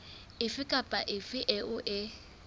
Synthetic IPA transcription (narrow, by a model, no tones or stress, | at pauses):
ɪfɪkʼapʼaʔɪfɪʔɪʊʔɪ